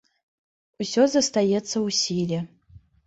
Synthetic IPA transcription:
usʲo̞zɐst̪ajet͡sʰːɐusʲilʲiɐ

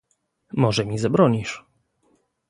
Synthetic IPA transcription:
mɔʐɛmʲizabɾɔɲiʂ

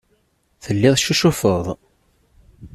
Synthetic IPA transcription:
θəlːɪðˤʃuʃufəðˤ

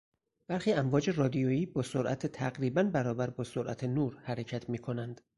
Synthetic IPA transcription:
b̥æɾxiːæmvɒːd͡ʒe̞rɒːd̪ijoːiːbɒːsoɾʔæt̪ʰet̪ʰæɡɾiːbænbæɾɒːbæɾbɒːsoɾʔæ̰t̪ʰenuːɾhæɾecʰæt̪ʰmiːkʰo̞nænd̪̥

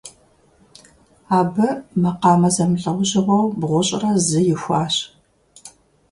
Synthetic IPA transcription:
aːbɨmɐqɑːmɐzɐmɬʼɐwʊɕɪʁʷɐwbʁʷʊɕʼɪrɐzɨjɪxʷaːɕ

